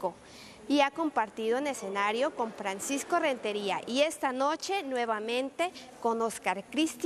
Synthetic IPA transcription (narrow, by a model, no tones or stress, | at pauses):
o | iako̞mpaɾt̪iðoenese̞naɾjoko̞ɱfɾansiskore̞nt̪e̞ɾiaʔie̞st̪anot͡ʃe̞nweβamẽ̞nt̪eko̞noskaɾkɾist̪